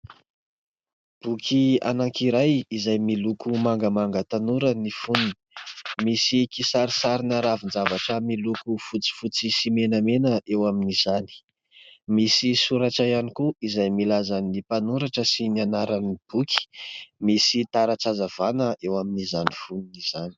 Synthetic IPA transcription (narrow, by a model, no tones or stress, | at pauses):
b̥ukʰia̰naŋkiɾajizajmilukumaŋɡəmaŋɡət̪anuɾənifunun | misikisaɾisaɾinaɾavind͡zavaʈ͡ʂəmilukufut͡si̥fut͡sisimenamenəʔewaminiz̥ani̥ | misisuɾaʈ͡ʂajanikuizajmilazanipanuɾaʈ͡ʂəsinianaɾanib̥ukʲi̥misit̪aɾaʈ͡ʂazav̥anəʔewaminizanifununiz̥ani̥